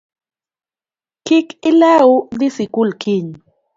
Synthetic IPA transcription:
kɪkɪlaud̪ɪsɪkʊlkɪɲ

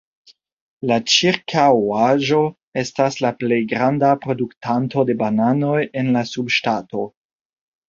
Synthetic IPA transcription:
lat͡ʃiɾkʰawaʒo̞ | e̞staslaple̞jɡɾandapɾo̞duktʰanto̞de̞banano̞je̞nlasubʃtato

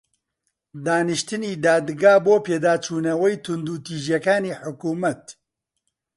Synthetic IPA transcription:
d̪aːnɨʃt̪ɨniːd̪aːd̪ɡaːboːpeːd̪aːt͡ʃʰuːnɐwɐjt̪ʰʊnd̪uːt̪iːʒjɐkaːniːħʊkuːmɐt̪

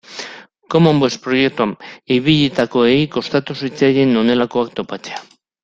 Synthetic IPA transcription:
ko̞mombwespɾo̞je̞k̚t̪uamiβiʎit̪ako̞ejko̞st̪at̪usit͡sajɣeno̞ne̞lako̞akt̪o̞pat͡sea

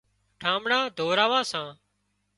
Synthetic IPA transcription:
ʈʰãːmɽãːd̪ʱoːɾaːʋãːsãː

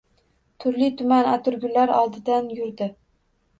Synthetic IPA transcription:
t̪ʰʊɾlit̪ʰʊmanat̪ʰʊɾɡʲʊlaɾɒ̰lˠd̪ɪd̪anjʊɾd̪ɪ

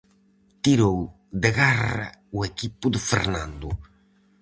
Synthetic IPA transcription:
t̪iɾow | d̪ɪɣara̰uekipʊd̪ɪfḛɾnãnd̪ʊ

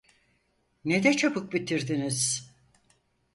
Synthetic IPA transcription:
ned̪ɛt͡ʃʰapɯk̚bit̪ʰiɾd̪iniz̥

